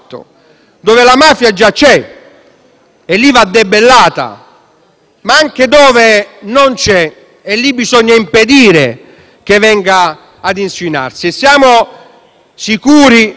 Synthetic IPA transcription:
t̪ːo̰ | d̪oːvɪlamaːfjad͡ʒːat͡ʃɛ | ɛlːivad̪ːebelːaːt̪a̰ | maaŋk̟ed̪ɔːvenont͡ʃɛ | ɛlːibːizɔɲːaimped̪iːɾe | k̟evɛŋɡaː | d̪inswina̰rsiɛsjaːmʊ | sikuːɾi

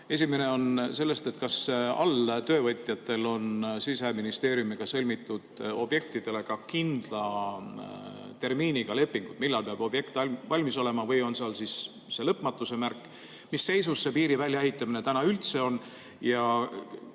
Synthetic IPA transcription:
e̞sime̞ne̞o̞nse̞lːe̞st̪et̪kɑsɑ̰lt̪ø̞ːvɤt̪ʲˑjɑt̪ːˑe̞lo̞nsis̬eminist̪e̞ːɾjumiɡ̥ɑsɤlʲmit̪ːˑud̪̥o̞b̥je̞k̚t̪id̪̥e̞le̞kɑkind̪̥lɑ | t̪e̞rmiːniɡ̥ɑle̞pːiŋɡ̥ut̪milːɑlpeɑb̥o̞b̥je̞kt̪ɑvɑlʲmiso̞le̞mɑvɤjo̞nseɑlsis | se̞lɤpmɑt̪ːˑuse̞mærkːˑ | misːe̞jsusːe̞piːɾivælʲjɑeɦit̪ˑːɑmine̞t̪ænɑylt̪se̞o̞n | jɑ

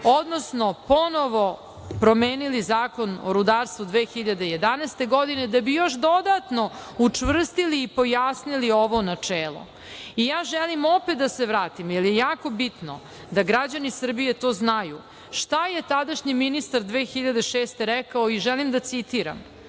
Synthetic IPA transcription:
od̪nosno̞pono̞ʋo̞ | pɾo̞meːnilizaːko̞no̰ɾud̪aɾst̪vud̪ʋeːxiʎad̪e̞jed̪anɛst̪e̞ɡod̪ined̪abijo̞ʃd̪o̞d̪at̪no̞ | ut͡ʂʋr̩st̪iliːpo̞jasnilioʋonat͡ʂɛːlˠo̰ | ijaːʒɛlimopet̪d̪aseʋɾaːt̪imjelˠjejaːko̞bit̪no̰ | d̪aɡɾad͡ʑanisr̩bije̞t̪oːznaju | ʃt̪ajet̪ad̪aʃɲiminist̪aɾd̪ʋeːxiʎad̪eʃeːst̪e̞ɾɛkaoiʒɛlimd̪at̪sit̪iɾa̰m

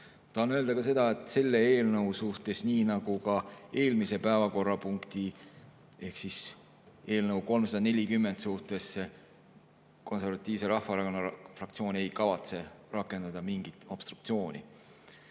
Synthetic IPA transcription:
t̪ɑhɑnøeld̪̥ɑkɑse̞d̪̥ɑe̞t̪se̞lːe̞eːlnɤwsuht̪e̞sniːnɑɡ̥ukɑe̞ːlmise̞pæevɑko̞rːɑpuŋkt̪i | e̞hksis | e̞ːlnɤwko̞lmsɑd̪ɑne̞lʲikymːe̞nd̪suht̪e̞sːe | ko̞nse̞ɾvɑt̪ːˑiːvse̞ɾɑhfɑɾɑkonɑfrɑkt̪sio̞ːnʲe̞jkɑvɑt̪se̞rɑkːˑe̞nd̪̥ɑd̪̥ɑmiŋɡ̥it̪ˑo̞b̥st̪ɾukt̪sio̞ːnʲḭ

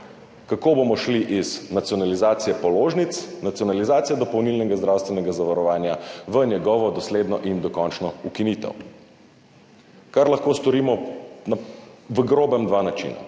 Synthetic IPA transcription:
kakoːbomɔʃliʔiznat̪sjɔnalizaːt̪sijɛpɔloːʒnit̪snat̪sijɔnalizaːt̪ijɛd̪ɔpɐwnilnɛɡazd̪ɾawst̪ʋɛnɛɡazaʋaɾɔʋaːnjaʋənjɛɡɔʋɔd̪ɔsleːd̪nɔʔind̪ɔkɔnt͡ʃnɔukinit̪ɛ̰w | kaɾlaxkoːst̪ɔɾiːmɔnaʋəɡɾoːbɛmd̪ʋanat͡ʃḭːna̰

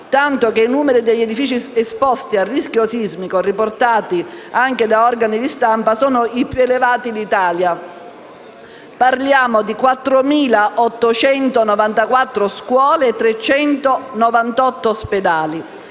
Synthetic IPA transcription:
t̪ant̪ok̟einuːmeɾid̪eʎːed̪ifiːt͡ʃiespɔst̪iarːiskjosizmikorːiport̪aːt̪iaŋk̟ed̪aɔrɡanid̪ist̪ampasɔːnoipjuelevaːt̪id̪it̪aːlja | parljaːmod̪ikwat̪ːɾomiːlaʔɔt̪ːot͡ʃɛnt̪onɔvant̪akwat̪ːɾoskwɔːleːt̪ːɾet͡ʃːɛnt̪onɔvant̪ɔt̪ːosped̪aːli

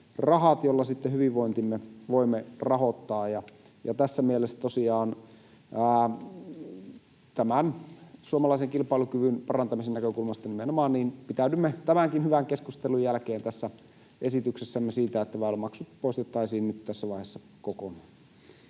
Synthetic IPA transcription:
rɑhɑt̪jolːɑsit̪ːehyʋiʋʋoint̪imːeʋoimːerɑhot̪ːɑːjɑ | jɑt̪æsːæmielesːæt̪osiɑːnː | t̪æmænsuomɑlɑiseŋkilpɑilukyʋynpɑrɑnt̪ɑmisennækøkulmɑst̪ɑnimenomɑːnniːnpit̪æydymːet̪æmæŋkinhyʋæŋkeskust̪elujælkeːnt̪æsːæ | ʔesit̪yksesːæmːesiːt̪æet̪ːæʋæˑolemɑksut̪poˑist̪et̪ːɑisiːnnyt̪t̪æsːæʋɑˑihesːɑ | kokonɑː

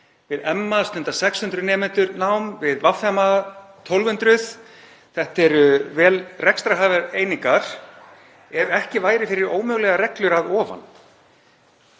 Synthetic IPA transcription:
vɪðɛmːast̪ʏnt̪asɛkshʏnt̪ɾʏnɛːmɛnt̪ʏɾnawmvɪðvafɛmat̪ʰɔwlvʏnt̪ɾʏθ | θɛht̪ɛɾʏvɛːlrɛkst̪ɾaɦaːvɛɾeːjniŋkaɾ̥ | ɛɾɛhcɪvaːjɾɪfɪɾɪɾoːwmœɣlɛɣaɾɛklʏɾaðɔːva̰n

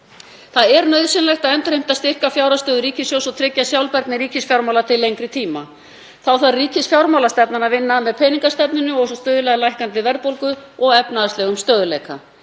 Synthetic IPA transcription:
θaðɛɾnœɥðsɪnlɛjxt̪aðɛnt̪ɾejm̥t̪aðst̪ɪr̥kafjawɾast̪œːðʏɾiːcɪsjowsɔt̪ʰɾɪcːasjawlpɛɾt̪nɪɾiːcɪsfjawɾmawlat̪ʰɪlːejŋkɾɪt̪ʰiːma̰ | θawθaɾriːcɪsfjawɾmawlast̪ɛpnanavɪnːamɛðpʰɛːjniŋkast̪ɛpnʏnʏɔɣsɔst̪œːðʏlɛɣlajhkant̪ɪvɛɾpowlkʏɔɣɛpnaðast̪ɛːɣʏmst̪œːðʏleːjka

